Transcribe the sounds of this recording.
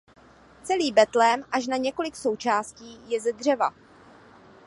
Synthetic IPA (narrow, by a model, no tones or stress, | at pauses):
t͡sɛliːbɛt̪lɛmʔaʃnaɲɛko̞lɪkso̞wt͡ʃaːsciːjɛzɛdr̝ɛva